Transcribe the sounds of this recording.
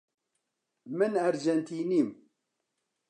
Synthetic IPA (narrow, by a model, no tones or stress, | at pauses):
mənæɾd͡ʒænt̪inim